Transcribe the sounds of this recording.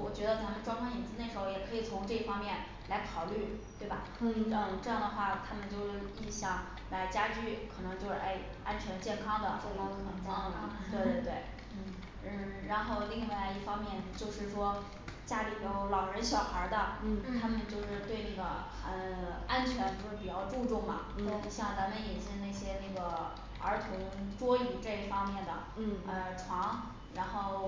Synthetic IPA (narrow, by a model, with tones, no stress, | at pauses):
wɔ˨˩t͡ɕɥɛ˧˥d̪ə˧t̪ʰa˥mə˨nʈ͡ʂwɑ˥ŋkʰɑ˥ŋjɛ˨˩nt͡sɹ̩˥na˥˩ʂɻ̩˧˥xo˧˩jɛ˨˩kʰɤ˧˥i˨˩t͡sʰʊ˧˥ŋʈ͡ʂɤ˥˧i˥˩fɑ˥ŋmjɛ˥˩n | la˧˥ɪkʰɑ˨˩ʊly˥˩t̪we˥˩ɪbɐ˨˩ | ə˥˧ʈ͡ʂɤ˥˧jɑ˥˩ŋd̪ə˩xwa˥˩t̪ʰa˥mə˨nt͡ɕjo˥˧ʊʂɻ̩˥˧i˥˩nɕjɑ˨˩˦ŋ | la˧˥ɪt͡ɕja˥t͡ɕy˥˩kʰɤ˨˩nɤ˧˥ŋt͡ɕjo˥˧ʂɻ̩˥˧ʔḛ˥˩ɪ | a˥nt͡ɕʰɥɛ˧˥nə˧˩t͡ɕjɛ˥˩nkʰɑ˥ŋd̪ə̰˨˥˩wa˧˥nt͡sɑ˥ŋd̪ə˩lə̰˨˩t̪we˥˩˧t̪e˥˩˧t̪we˥˩ɪ˥˩ | ɻa˧˥nxo˥˧ʊli˥˧ŋ˥˩wla˧˥i˥˩fɑ˥ŋmjɛ˥˧nt͡ɕjo˥˧ʊʂɻ̩˥˩ʂwɔ˥ | t͡ɕja˥li˨˩jo˧˥ʊlɑ˨˩ʊɻə˧˥nɕjɑ˨˩ʊxə˞˧˥d̪ə˧t̪ʰa˥mə˨nt͡ɕjo˥˧ʊʂɻ̩˥˧t̪we˥˧ɪna˥˩ɡə̰˩ | ə˧a˥nt͡ɕʰɥɛ˧˥nt͡ɕjo˥˧ʊʂɻ̩˥˩pi˨˩t͡ɕjɑ˥˧ʊʈ͡ʂu˥˧ʈ͡ʂʊ˥˩ŋmɐ̰˩o˥˧˩ɕjɑ˥˩ŋt͡sa˧˥mə˧˨njɛ˨˩t͡ɕi˥na˥˩ɪɕjɛ˥na˥˩ɡə˩ | ə̰˞˧˥t̪ʰʊ˧˥ŋʈ͡ʂwɔ˥y˧˥ʈ͡ʂɤ˥˧i˥˩fɑ˥ŋmjɛ˥˩nd̪ə̰˩ə˧ʈ͡ʂʰwɑ˧˥ŋ | ɻa˧˥nxo˥˩ʊ